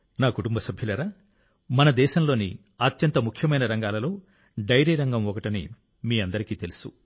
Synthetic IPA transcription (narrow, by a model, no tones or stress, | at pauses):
naːkuʈumbɐsɐbʱjɐlɐɾaː | mɐnɐd̪ɛːʃɐmlo̞ːnḭ | ɐt̪jɐnt̪ɐmukʰjɐmɐjnɐɾɐŋɡaːlɐlo̞ː | ɖɐjɾiːɾɐŋɡɐmɔkɐʈinḭ | miːɐnd̪ɐɾikiːt̪elusṵ